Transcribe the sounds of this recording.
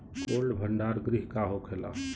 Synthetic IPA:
kolɖbʱəɳɖaɾɡɾiɦkaɦokʰela

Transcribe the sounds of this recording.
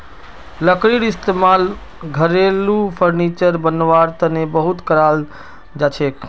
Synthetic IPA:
ləkɾiɽɪst̪emaːl | ɡʱəɾelupʰəɾnit͡ʃəɾbənːʋaɾt̪ənebəɦʊt̪kəɾaːl | d͡ʒaːt͡ʃʰek

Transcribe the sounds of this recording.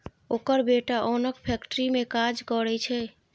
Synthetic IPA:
okəɾbeʈaʔonəkpʰɛkʈɾimekad͡ʒkəɾɛt͡ʃʰɛ

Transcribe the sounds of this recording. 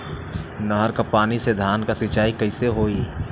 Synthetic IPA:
nəɦəɾkapaːnised̪ʱaːnkasɪt͡ʃaːikəɪseɦoːi

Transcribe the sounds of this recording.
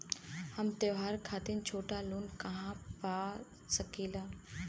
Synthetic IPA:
həmt̪eʋɦaːɾkʰaːt̪ɪnt͡ʃʰoːʈaluːnkɐɦãpaː | səkiːlaː

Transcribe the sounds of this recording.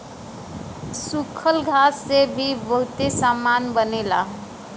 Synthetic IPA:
sukʰəlɡʱasːebʱibəɦut̪esamanbənela̰

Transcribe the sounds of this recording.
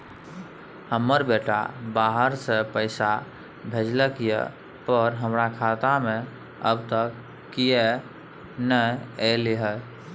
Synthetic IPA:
həmːəɾbeʈa̰baɦəɾsepəɪsa | bʱed͡ʒləkjḛ | pəɾɦəmɾakʰat̪amẽ | ə̰bt̪əkː | ije | nəeliɦə

